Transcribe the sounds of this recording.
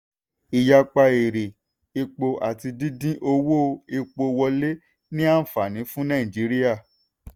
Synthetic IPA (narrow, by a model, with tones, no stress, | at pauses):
i˨ja˧k͡pa˧e˨ɾe˨ | i˧k͡po˧ʔa˨ti˧dĩ˦dĩ˦ʔo˧wo˦˧i˧k͡po˧wɔ˧le˦ | nĩ˦a˦˨fa˨nĩ˨˦fũ˦nã˦˨ĩ˨d͡ʒi˨˦ɾi˦a˦˨